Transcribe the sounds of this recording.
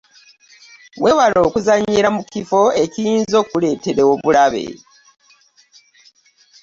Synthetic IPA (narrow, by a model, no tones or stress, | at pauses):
wʔe̞ːwalo̞ːkuzaɲːiɾamukifo̞e̞cijiːnzo̞ːkule̞ːte̞ɾeoβulaβe̞̰